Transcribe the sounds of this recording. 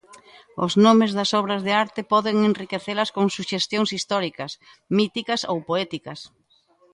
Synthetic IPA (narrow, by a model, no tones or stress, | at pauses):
ʊ̰znɔmɪzðɐsɔβ̞ɾɐzðeaɾt̪ɪpɔðeŋenrikeθelɐskoŋsuʃest̪joŋsist̪ɔɾikɐs | mit̪ikɐsowpoɛt̪ikɐs